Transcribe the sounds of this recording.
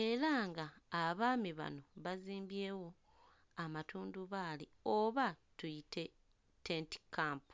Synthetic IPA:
e̞ɾaŋɡaːβaːmiβa̰no̞βaziːmbje̞ːwo̞ | amatuːnduβaːli | oβatujite̞ | teːnti̥kʰaːmpu̥

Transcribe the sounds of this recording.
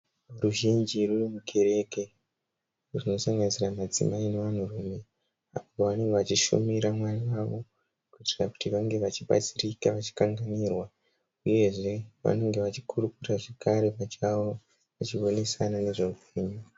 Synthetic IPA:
ruʒind͡ʒirurimuke̞ɾe̞ke | runo̞saŋɡanisiramad͡zḭmaine̞ʋan̤urume̞ | apooʋane̞ŋɡeʋat͡ʃiʃṵmiɾamwariwaʋo̞ | kuiti̥raku̥tiʋaŋɡe̞ʋat͡ʃiɓa̰d͡zirikaʋat͡ʃi̥kaŋɡaniːrwa | uje̞ʐe̞ʋa̰ne̞ŋɡe̞ʋat͡ʃikuɾukuraʐekaɾe̞pat͡ʃawo | ʋat͡ʃiʋo̞ne̞sanane̞ʐo̞upʰe̞ːɲu

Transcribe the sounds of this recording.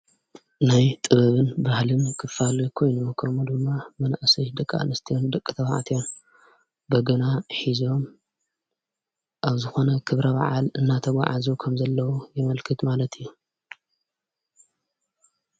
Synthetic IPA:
najt̪ʼɨβɐβɨnbahlɨmkʰɨfalukʰo̞jnukʰɐmud̪ɨmːamɐna̰ʔsɐjd̪ɨkʼːa̰ʔnɨst̪ʰijond̪ɐkʼːɨt̪ʰɐβa̰ʕat̪ʰijon | bɐɡɐnaħizo̞m | ʔaβzɨxo̞nɐkʰɨβɾɐβa̰ʕalɨnːat̪ʰɐɡʷa̰ʕa̰zukʰɐmzɐlːɐwujɪmɐlkʰɨt̪malɐt̪ʰɨjːu

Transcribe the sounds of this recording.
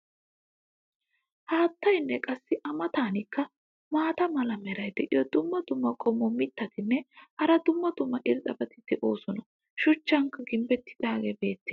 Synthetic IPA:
haːt̪ːɐjnːɛkʼɐsːɪʔɐmɐt̪aːnɪkːɐ | maːt̪ɐmɐlɐmɛɾɐjd̪ɛʔɪ̰jɔd̪ʊmːɐd̪ʊmːɐkʼɔmːɔmɪt̪ːɐt̪ɪnːɛhɐɾɐd̪ʊmːɐd̪ʊmːɐʔɪɾt̪ʼɐbɐt̪ɪd̪ɛʔo̞ːsɔnɐ | ʃʊt͡ʃːɐŋkːɐɡɪmbɛt̪ːɪ̥d̪aːɡeːbe̞ːt̪ːɛ̥

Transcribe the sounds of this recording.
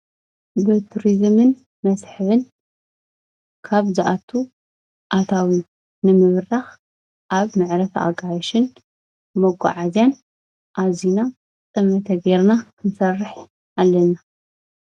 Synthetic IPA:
bɨt̪ʰuɾizɨmɨn | mɐsħɨβɨn | kʰaβzɨʔat̪ʰu | ʔat̪ʰawi | nɨmɨβrax | ʔaβmɨʕɾɐt̪a̰ɡʼajʃɨn | mɐɡʷʼa̰ʕazjan | ʔazina | t͡sʼɨmɐt̪ʰɐɡeɾnakʰɨnsɐrːɨħ | ʔalːɐna

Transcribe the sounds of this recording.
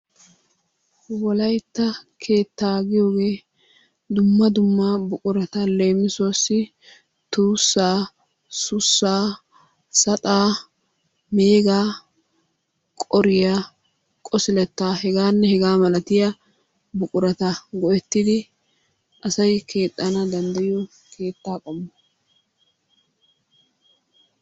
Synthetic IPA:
wɔlɐjt̪ːɐkʰe̞ːt̪ːaːɡɪjo̞ːɡe̞ː | d̪ʊmːɐd̪ʊmːabʊkʼʊɾɐt̪ɐle̞ːmːɪsoːsːɪ | t̪uːsːaː | sʊsːaː | sɐt̪ʼaː | meːɡaː | kʼɔɾɪjɐ | kʼɔsɪlɛt̪ːaːhɛɡaːnːɛhɛɡaːmɐlɐt̪ɪjɐ | bʊkʼʊɾɐt̪ɐɡɔʔɛt̪ːɪd̪ɪ | ʔɐsɐjkʰe̞ːt̪ʼːɐnɐd̪ɐnd̪ɐjɪɔ | kʰe̞ːt̪ːaːkʼɐmːɐ

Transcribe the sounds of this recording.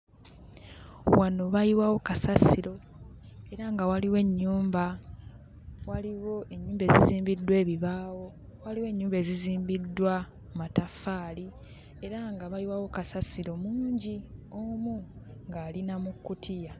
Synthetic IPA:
wano̞βajiwawo̞kasasiɾo̞ | e̞ɾaŋɡawaliwe̞ɲːuːmba | waliwo̞e̞ɲːuːmbe̞ːziziːmbidwe̞ːβiβaːwo̞ | waliwe̞ːɲːuːmbe̞ziziːmbidːwa | matafːaːli | e̞ɾaŋɡaβajiwawo̞kasasiɾo̞muːɲɟiomuŋɡaːlinamukːutʰija

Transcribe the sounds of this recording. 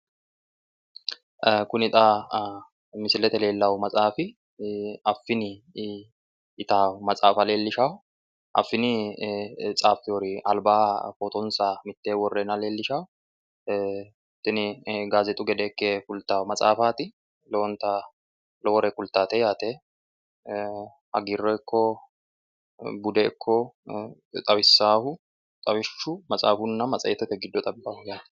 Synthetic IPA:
kʊnɪt̪ʼaː | mɪsɪlɛt̪ɛle̞ːlːɐwmɐt͡sʼaːfɪ | ɐfːɪnɪ | ɪt̪aːmɐt͡sʼaːfɐle̞ːlːɪʃaw | ʔɐ̰fːɪnɪ | t͡sʼaːfɪjoɾɪʔɐ̰lbaːfɔt̪ɔnsaːmɪt̪ːeːwɔrːɛnɐle̞ːlːɪʃawʊ | t̪ːɪnɪɡaːzɛt̪ʼʊɡɛd̪eːkːeːkʊlt̪ːaːwmɐt͡sʼa̰ːfaːt̪ɪ | lont̪a | lɔwɔɾɛkʊlt̪ːaːt̪ɛjaːt̪eː | hɐ̰ɡɪrːɔjkʰːɔ | bʊd̪ɛɪkʰːɔ | t̪ʼɐwɪsːaːhʊ | t̪ʼɐwɪʃːʊmɐt͡sʼa̰ːfʊnːɐmɐt͡sʼɐ̰jɛt̪ːɛt̪ːɛɡɪd̪ːɔt̪ʼɐbːaːhʊjaːt̪ɛ̥

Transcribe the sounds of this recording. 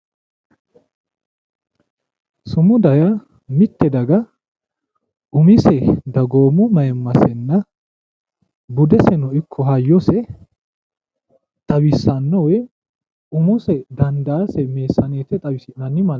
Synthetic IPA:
sʊmʊd̪ɐjɐ | mɪt̪ːɛd̪ɐɡɐ | ʊmɪsɛd̪ɐɡo̞ːmʊmɐjɛmːɐsɛnːɐ | bʊd̪ɛsɛnɔɪkʰːɔɦɐjːɔsɛ | t̪ʼɐwɪsːɐnːɔwɛ | ʊmʊsɛd̪ɐnd̪aːsɛme̞ːsːɐneːt̪ːɛt̪ʼɐbɪnɐnːɪmɐ

